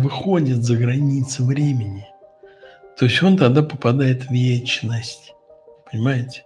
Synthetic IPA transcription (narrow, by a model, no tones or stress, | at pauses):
vɨxo̞dʲɪt̪zəɡɾɐnʲit̪sɨvɾʲemʲɪnʲɪ | t̪o̞ɪsʲtʲo̞nt̪ɐɡd̪apəpɐd̪ajɪt̪vʲjet͡ɕnəsʲtʲ | pənʲɪmajɪtʲɪ̥